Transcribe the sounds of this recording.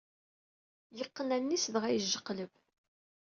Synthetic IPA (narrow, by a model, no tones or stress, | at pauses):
jəqːənænːisðʁæjəʒːəqːləv